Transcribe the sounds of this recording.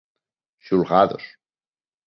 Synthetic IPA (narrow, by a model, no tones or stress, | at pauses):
ʃulɣaðo̰s